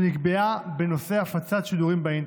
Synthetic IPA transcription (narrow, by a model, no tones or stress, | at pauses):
nikbeabe̞no̞se̞afat͡sat̪ʃid̪uʁimbain